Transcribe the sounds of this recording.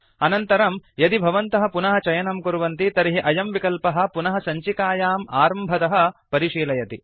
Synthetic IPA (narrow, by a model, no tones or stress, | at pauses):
ɐnɐnt̪ɐɾɐmjɐd̪ibʱɐʋɐnt̪ɐɦɐ̆punɐɦɐt͡ʃɐjɐnɐmkuɾuʋɐnt̪it̪ɐɾiɦiʔɐjɐmʋikɐlpɐɦɐ̆punɐɦɐsɐɲt͡ʃikaːjaːmaːɾɐmbʱɐt̪ɐɦɐ̆pɐɾiʃiːlɐjɐt̪i